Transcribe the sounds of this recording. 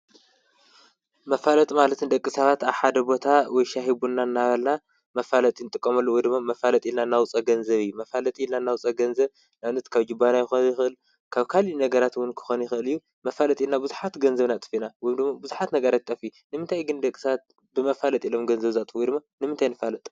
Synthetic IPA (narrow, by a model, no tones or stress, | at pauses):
mɐfalɐt̪ʼmalɐt̪ɨnd̪ɐkʼːisaβat̪aβħad̪ɐbo̞t̪ʰawɔjʃaɦibunːanːaβɐlna | mɐfalɐt̪ʼinɨt̪ʼɨkʼːɐmɐlːowɔjd̪ɨmːamɐfalɐt̪ʼilnanːawʊt͡sʼɐɡɐnzɐβijːumɐfalɐt̪ʼilnanːawʊt͡sʼɐɡɐnzɐβ | nanɐt̪kʰaβd͡ʒɨbːanajɪxonjɪxɨʔɨl | kʰaβkʰalinɐɡɐɾat̪wʊnkʰɨ̥xonjɪxʔɨlijːu | mɐfalɐt̪ʼinabɨzuħat̪ɡɐnzɐβnat̪ʼɨ̥finawɔjmd̪ɨmːabuzuħat̪nɐɡɐɾat̪̚t̪ʼːɐfijunɨmɨnt̪ʰajɡɨnd̪ɐkʼisaat̪̚ | bɨmɐfalɐt̪ʼilomɡɐnzɐβzat̪ʼfuwɔjd̪ɨmːanɨmɨnt̪ʰajnɨfalɐt̪ʼ